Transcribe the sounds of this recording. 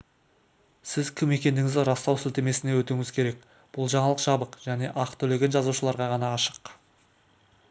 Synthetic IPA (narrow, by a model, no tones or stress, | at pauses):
sɪzkʲʰɪme̞kʲe̞nd̪ɪŋɪzd̪ɪɾɑst̪ɑwsɪlt̪e̞me̞sɪne̞wɵt̪uŋɪzkʲʰe̞ɾe̞k | b̥ʊlˠʒɑɴɑlˠəqʒɑbəqʒ̥æne̞ʔɑqt̪ʰɵle̞ɡʲe̞nʒɑzuʃəlˠɑɾʁɑʁɑnɑːʃə̥q